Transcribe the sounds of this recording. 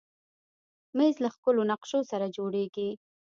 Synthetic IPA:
mezlaxpəlonaqʃosaɾad͡ʒoɽeɡi

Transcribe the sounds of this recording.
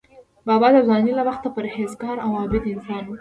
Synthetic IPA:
bɑbɑd̪əzɑnilawaxt̪apəɾhezɡɑɾawɑbɪd̪ɪnsɑnwu

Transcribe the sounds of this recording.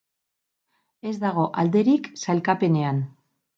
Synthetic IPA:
e̞zðaɣ̞o̞ʔald̪e̞ɾiksalkape̞ne̞an

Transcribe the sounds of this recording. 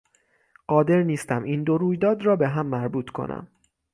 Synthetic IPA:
ɢ̥ɒːd̪e̞ɾniːst̪æmʔiːnd̪o̞ɾuːjd̪ɒːd̪rɒːbe̞ɦæmːæɾbuːt̪ʰkʰo̞̰nʔæ̰m

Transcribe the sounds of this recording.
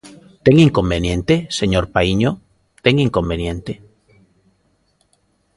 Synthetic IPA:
t̪eŋiŋkombenjẽnt̪eseɲoɾpaiɲo | t̪eŋiŋkombenjẽnt̪e

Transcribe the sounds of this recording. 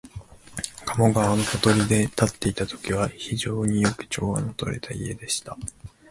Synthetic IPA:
kʰamo̞ɡaβano̞kot̪o̞ɾʲid̪e̞t̪at̪ːe̞it̪at̪o̞̥kʲiβ̞açiʑo̞ːɲ̟ijo̞kɯ̟̥t͡ɕo̞̰ːβa̰not̪o̞̰ɾe̞̰t̪ʰaḭe̞d̪e̞ɕi̥t̪a

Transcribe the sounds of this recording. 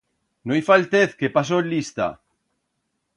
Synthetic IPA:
nojfalt̪eθkepas̬oelist̪a̰

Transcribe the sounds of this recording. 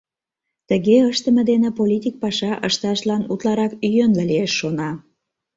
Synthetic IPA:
t̪əɣeəʃt̪ə̆mĕd̪enepolʲit̪ʲik̚pɑʃɑʔəʃt̪ɑʃlɑnut̪lɑɾɑkyjønlelieʃːonɑ

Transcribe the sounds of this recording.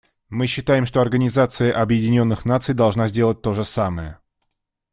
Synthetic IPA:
mɨɕːɪt̪ajɪmʂt̪oɐrɡənʲɪzat̪sɨjəʔɐbjɪdʲɪnʲo̞nːɨxnat̪sɨjd̪ɐlˠʐnazʲdʲe̞lˠət̚ʲt̪o̞ʐɨsaməjə

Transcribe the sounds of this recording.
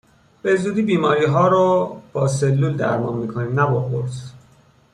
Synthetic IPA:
b̥e̞zuːd̪iːbiːmɒːɾiːɦɒːɾɔb̥ɒːs̬elːuːld̪æ̰ɾmɒ̰ːnmiːkʰoniːmnæbɒbo̰ɾs

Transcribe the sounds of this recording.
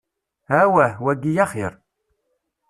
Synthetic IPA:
hæwæhwæɡijaχɪɾˤ

